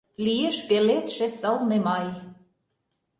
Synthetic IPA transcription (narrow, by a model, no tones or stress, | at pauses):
lijeʃpelet̪ʃĕsə̆lnemɑj